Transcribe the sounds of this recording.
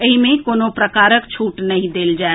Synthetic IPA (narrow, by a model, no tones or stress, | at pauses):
əɦimẽkoːnopɾəkaːɾəkt͡ʃʰuːʈnɐɦĩd̪eːld͡ʒaː